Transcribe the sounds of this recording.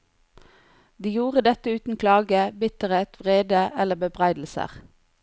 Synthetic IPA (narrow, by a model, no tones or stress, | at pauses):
d̪iːjuːʁəd̪ɛt̪əʉːt̪n̩kʰlɑːɡəbɪt̪əʁeːt̪ʋʁeːd̪əʔɛləbəbʁæɪd̪l̩sə̰ʁ